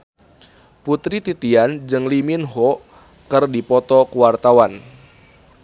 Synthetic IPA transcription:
put̪ɾit̪it̪iand͡ʒɨŋliminɦɔ | kɨrdipɔt̪ɔkuwart̪awan

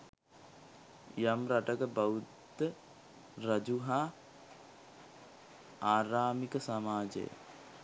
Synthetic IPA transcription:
jamɾaʈəkəbaud̪ə | rɐd͡ʒuɦaː | aːɾaːmikəsamaːd͡ʒə̰jə̰

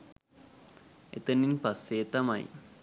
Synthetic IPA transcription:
et̪ːɐnːinpɐseːt̪ːɐma̰ːjḭ

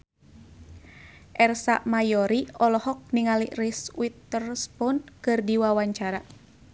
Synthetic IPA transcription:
ʔɛrsa̰ʔmajɔɾiɔlɔhɔk̚niŋaliriswit̪ːərspɔnkɨrdiwawaɲt͡ʃaɾa

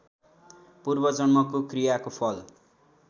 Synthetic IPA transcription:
purbʌd͡zʌnmʌkokrijakopʰʌl

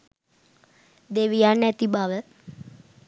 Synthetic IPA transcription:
d̪eʋijanæt̪ibaʋə

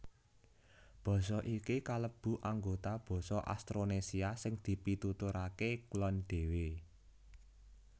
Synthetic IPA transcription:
b̥ɔ̤sɔʔikikaləb̥ṳʔaŋɡot̪ab̥ɔ̤sɔʔa̰st̪ɾonesiasɪŋd̪̥i̤pit̪ut̪uɾakeklɔnɖ̪̥e̤we

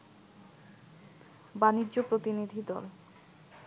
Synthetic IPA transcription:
banidːʑopɾot̪inid̪ʱid̪ɔ̰l

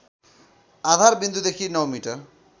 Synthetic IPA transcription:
ad̪ʱaɾbind̪ʱud̪ekʰinɔwmiʈʌr

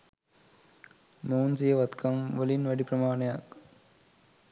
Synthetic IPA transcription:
moːnsijɐʋɐt̪kʰɐmʋɐlinʋɐɽipɾɐmaːɳɐjaːk

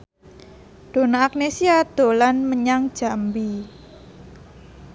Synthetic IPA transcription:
d̪̥o̤naːk̚nesiad̪̥o̤lanməɲaŋ̥ʒ̥a̤mbi

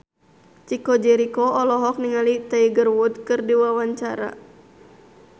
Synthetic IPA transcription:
t͡ʃikɔd͡ʒɛɾikɔɔlɔɦɔk̚niŋalit̪aiɡərwud̪̚kɨrdiwawaɲt͡ʃaɾa̰

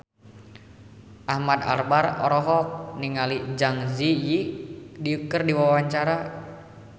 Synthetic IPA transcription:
ʔahmad̪a̰rbarɔ̰ɾɔɦɔk̚niŋalid͡ʒaŋzijidiukərdiwawaɲt͡ʃaɾa

